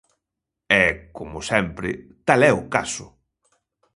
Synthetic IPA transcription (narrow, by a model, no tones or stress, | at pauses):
ɛkomʊsɛmpɾɪt̪alɛʊkasʊ̰